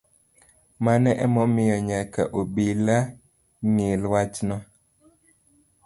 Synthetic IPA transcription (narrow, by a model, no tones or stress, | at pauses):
manɛʔɛmɔmɪjɔɲaka̰ʔobila | ŋilwat͡ʃnɔ